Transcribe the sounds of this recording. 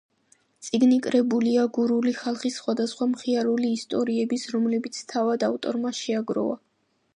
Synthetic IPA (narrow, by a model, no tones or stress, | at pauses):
t̪sʼiɡnikʼɾɛbuliaɡuɾuliχalˠχisːχwad̪asχwamχiaɾuliːst̪ʼɔɾiɛbisɾɔmlɛbit̪sʰt̪ʰavad̪aft̪ʼɔ̰ɾmaʃɛaɡɾɔ̰va̰